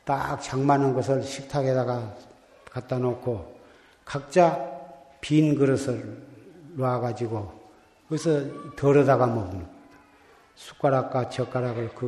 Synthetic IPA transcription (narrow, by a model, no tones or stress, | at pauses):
ta̰k̚t͡ɕʰaŋmanɯnɡʌsʰɯɭɕʰik̚tʰaɡedaɡa | kat̚t͈anokʰo | kak̚t͡ɕ͈a | pinɡɯɾʌsʰʌː | waɡad͡ʑiɡo | kɯesʰʌtʌɾʌdaɡamʌɡɯi | sʰu̥k͈aɾak̚k͈at͡ɕʌk͈ːaɾaɡɯɭkɯ